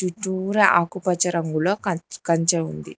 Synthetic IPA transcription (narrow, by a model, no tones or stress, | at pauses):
ʈuʈuːɾɐʔakupɐt͡ʃɐɾɐŋɡuloɐkɐɲt͡ʃɐund̪ḭ